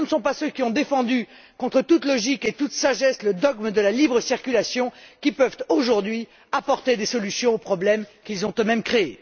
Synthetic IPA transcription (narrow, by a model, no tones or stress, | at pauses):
nəsɔ̃pasøkʲiɔ̃d̪efɑ̃d̪y | kɔ̃t̪χət̪ut̪lɔʒiket̪ut̪saʒɛsləd̪ɔɡmd̪əlalibʁəsiʁkʲylasjɔ̃kʲipœvt̪oʒuʁd̪ɥi | apɔʁt̪ed̪esɔlysjɔ̃opχɔblɛmkʲilzɔ̃t̪ømɛmkχee